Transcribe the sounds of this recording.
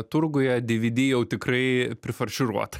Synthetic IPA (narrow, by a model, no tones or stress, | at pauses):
t̪ʊɾɡʊjɛd̪ʲɪʋʲɪd̪ʲiːjɛʊt̪ʲɪkrɐɪpʲɾʲɪfɐrʲʃʲɪɾuɔt̪ɐ̥